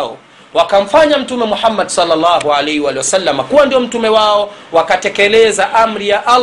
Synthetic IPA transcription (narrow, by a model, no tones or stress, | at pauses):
ɔ̰ | wakam̩faɲam̩tumɛmuħamːadsɔlːalːɑːɦualɛhiwaːliwasalːamakuwandiɔm̩tumɛwaɔwakatɛkɛlɛzaʔam̩ɾijaʔal